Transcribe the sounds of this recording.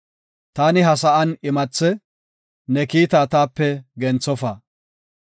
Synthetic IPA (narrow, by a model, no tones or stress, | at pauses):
t̪aːnɪɦɐsɐʔɐnɪmɐt͡sːɛ | nɛkiːt̪aːt̪aːpːɛɡɛnt͡sːɔfaː